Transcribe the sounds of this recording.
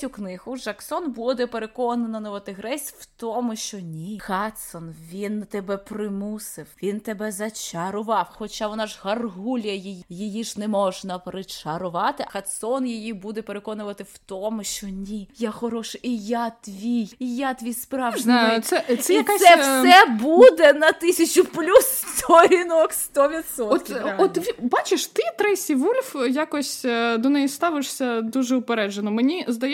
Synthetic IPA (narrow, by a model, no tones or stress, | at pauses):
uknɪɦʊʒɐksɔnbud̪ɛpeɾekɔnɐnɐnɔʋɐt̪ɪɦɾɛsʲwt̪ɔmʊʃt͡ʃɔnʲixɑt̪sɔnʋʲint̪ɛbɛpɾɪmusɪwʋʲint̪ebɛzɐt͡ʃɐɾʊʋɑwxɔt͡ʃaʋɔnɑʒɦɐrɦulʲjɐjijijɪjiʒnɛmɔʒnɐpɾɪt͡ʃɐɾʊʋɑt̪ɪʔɐxɐt̪sɔnjijibud̪ɛpeɾekɔnʊʋɐt̪ɪwt̪ɔmʊʃt͡ʃɔnʲijaxɔɾɔʃɪʔijat̪ʲʋʲijijat̪ʲʋʲijspɾɑʋznajʊt̪sɛsɛjɐkasɛsɛbud̪ɛnɐt̪ɪsʲɐt͡ʃʊplʲust̪ʰɔɾʲinɔkst̪ɔʋʲit̪sɔɔtt̪ɔt̪ʲibɑt͡ʃɪʃt̪ɪt̪ɾɛsʲiʋulʲfjakɔsʲd̪ɔnɛjist̪ɑʋɪʂsʲɐd̪uʒɛʊpeɾɛd͡ʒenɔmenʲizd̪ɐjɛ